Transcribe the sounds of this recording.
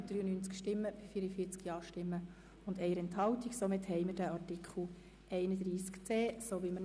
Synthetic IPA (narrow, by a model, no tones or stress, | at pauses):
d̥ɾyːənyːnt͡skʃtɪmːəb̥ifiːɾəfiːət͡skjɑːʃtɪmːə | ʊndɛɪəɾɛnthɑwtiksomɪthɛɪmədæɑrtikʰχl̩ | ʔɛɪnədɾiːskt͡seːsoʋimə